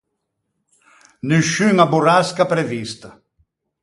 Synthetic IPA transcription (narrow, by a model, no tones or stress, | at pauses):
nyʃyŋaburaskapɾevist̪ɐ